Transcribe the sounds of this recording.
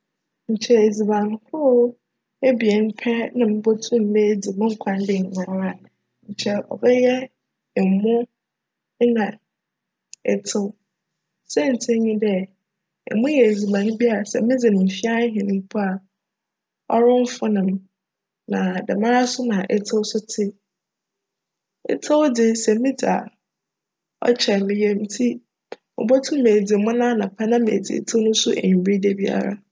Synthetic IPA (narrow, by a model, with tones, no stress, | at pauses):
ɲ̩˨t͡ɕʰɛ˦e˨d͡zi˨bã˨n˦hʊ˦ | e˦bi˨ɛ˨n˦pʰɛ˦nã˨mɪ̃˦bo˦tʰũ˦m̩˨nɛ˦d͡zi˨mɪ̃˦ŋ̩˦kʷʰã˦n˦dɪ˨ŋ̩˨ɲã˨ɾa˨ | ɲ̩˨t͡ɕʰɛ˦ɔ̰˨bɛ˦jɛ˦ | ɛ˨mʊ̃˦ | nã˨ | ɛ˨tʰɪ˦ | sɛ˦n̩˨tʰɪ˦ɲĩ˦dɛ˦ | ɛ̰˨mũ˦jɛ˨e˨d͡zi˨bã˨ñ˦bi˦a˦a˨sɛ̰˨mɪ̃˦d͡zɪ˨nɪ̃˨fi˦a˦ɦɪ̃˨nɪ̃˦m̩˦pʰʊ˦a˨ | ɔ˦ɾʊ̃˦m˦fʊ˦nã˨m | nã˨dɛ˨mã˦ɾa˦sʊ˦nã˨ʔɛ˦tʰɪ˦sʊ˦tʰɪ˦ | ɛ̰˦tʰɪ˦wd͡zɪ˦sɛ˨˦mɪ̃˦d͡zɪ˨a˨ | ɔ̰˦t͡ɕʰɛ˨lɪ̃˨jɛ˦m̩˦tʰi˦ | mʊ̰̃˨bɔ˦tʰʊ̃˦me˨d͡zi˨mʊ̃˦nã˦nã˨pʰa˦nã˦mḛː˨d͡zḭ˨tʰɪ˦nʊ̃˦sʊ˦ʔɲ˨bɾi˦de˦bi˦a̰˦ɾa̰˨